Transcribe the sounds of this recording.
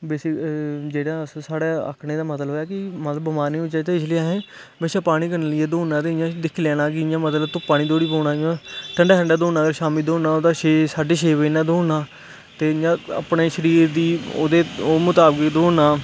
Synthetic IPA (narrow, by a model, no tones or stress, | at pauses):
beːsiːd͡ʒeːɽãːssaːɽaːə̰kʰneːd̪aːmət̪̬ləɦojaːkɪmət̪ləbəmaːɾnĩːʊt͡ʃaːt̪eːɪsliãːɦẽː | beːʃaːpaːɽ̃iːkənːlɪeːd̪oːãːt̪eːɪjãːd̪ɪkʰːlɛːɽ̃ãːk̬ɪɪjãːmət̪ləbt̪õːpaːɽ̃iːd̪oːɽiːpoːɽaːɪãːʈʰəɳɖaːʈʰəɳɖaːd̪oːnãːɡəɾʃaːmiːd̪oːaːoːd̪aːʃeːsaːɖeːʃ̬eːʋeːnaːd̪oːnaː | t̪eːjãːə̰pɳeːʃəɾiːɾd̪iːo̰ːd̪eːoːmʊt̪aːbəkd̪oːnaː